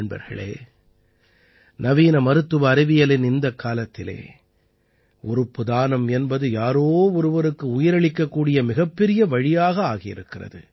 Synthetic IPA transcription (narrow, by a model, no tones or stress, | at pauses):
ɳbɐ̰ɾɣɐ̰ɭḛː | nɐʋiːnɐmɐɾɯt̪ːɯʋɐːɾɪʋɪjɐlɪnɪnd̪ɐkːaːlɐt̪ːɪlḛː | ʔɔɾɯpːɯðaːnɐmɛnbɐðɯjaːɾoːɔɾɯʋɐɾɯkːɯʊjɪɾɐɭɪkːɐkːuːɽɪjɐmɪɣɐpːɛɾɪjɐʋɐɻɪjaːɣɐaːɣɪjɪ̰ɾɯkːɪrɐ̰ðɯ̰